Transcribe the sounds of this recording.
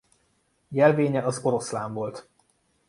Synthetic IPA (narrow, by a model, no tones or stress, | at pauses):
jɛlveːɲɛɒzo̞ɾo̞slaːɱvo̞lt̪